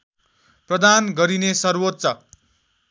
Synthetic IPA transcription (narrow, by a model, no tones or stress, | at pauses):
prʌd̪ʱanɡʌɾinesʌrwot̪t͡sʌ